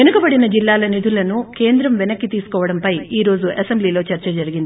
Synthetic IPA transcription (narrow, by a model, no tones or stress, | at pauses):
enukɐbɐɽinɐd͡ʒilːaːlɐnid̪ʱulɐnuke̞ːnd̪ɾɐmʋɛnɐkːit̪iːsu̥kɔːʋɐɽɐmpɐjiːɾo̞ːzuʔɐsembliːlo̞ːt͡ʃɐɾt͡ʃɐd͡ʒɐɾiɡind̪i